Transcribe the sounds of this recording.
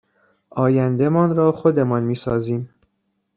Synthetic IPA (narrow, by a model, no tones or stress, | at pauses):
ʔɒːjænd̪e̞mɒːnɾɒːxod̪e̞mɒnmiːsɒːziːm